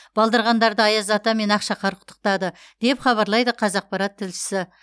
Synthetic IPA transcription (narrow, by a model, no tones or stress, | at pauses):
b̥ɑlˠd̪ɑɾʁɑnd̪ɑɾd̪əɑjɑzɑt̪ɑme̞nɑqʃɑqɑɾqʰʊ̥t̪ːə̥q̚t̪ɑd̪ə | d̪̥e̞pχɑβɑɾlˠɑjd̪əqʰɑzɑq̚pɑɾɑt̪ʰːɪlʃɪ̥sɪ